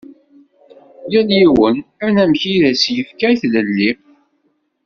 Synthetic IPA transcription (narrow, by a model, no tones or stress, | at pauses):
jæljiwənæɾnæmçiðæsjəfkæjθləlːi